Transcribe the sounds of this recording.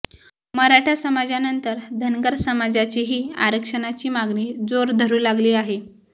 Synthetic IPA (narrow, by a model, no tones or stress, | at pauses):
məɾaʈʰasəmad͡zanənt̪əɾd̪ʱənɡəɾsəmad͡zat͡ɕiɦiːa̰ɾəkʂənat͡ɕiːmaɡniːd͡zoɾd̪ʱəɾuːlaɡliːaɦe